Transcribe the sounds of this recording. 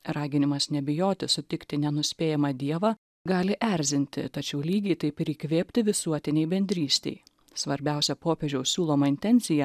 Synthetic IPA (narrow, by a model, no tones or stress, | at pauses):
ɾɑːɡʲɪnʲɪmɐsnʲɛbʲɪjoːt̪ʲɪsʊt̪ʲɪkt̪ʲɪnʲɛnʊsʲpʲeːjɛmɑd̪ʲiɛʋɑ | ɡɑːlʲɪʔɛɾʲzʲɪnʲt̪ʲɪ̰t̪ɐt͡ʃʲɛʊlʲiːɡʲɛɪt̪ɐɪpɪɾiːkʋʲeːpʲt̪ʲɪʋʲɪsuɔt̪ʲɪnʲɛɪbʲɛnʲd̪ʲɾʲiːsʲt̪ʲɛ̰ɪ | sʋɐɾʲbʲɛˑʊsʲɛpoːpʲeʒʲɛʊssʲuːlˠoːmɐɪnʲt̪ʲɛnʲt̪sʲɪjɛ